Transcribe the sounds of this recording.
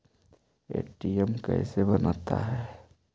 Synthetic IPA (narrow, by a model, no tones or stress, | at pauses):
eːʈiɛmkɛ̰ːsebɐnat̪a̰ɦɛː